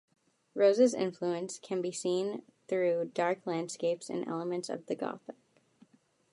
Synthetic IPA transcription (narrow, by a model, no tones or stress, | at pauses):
ɹoʊzɨzɪ̰̃ɱfluɨ̃nskʰɨ̃nbisĩnθɹʉdɑɹkʰlæ̃nd̥skeɪpsɨ̰̃nʔɛ̰lˠəmɨ̃ntsʌ̰vðɨɡɑ̰θək̚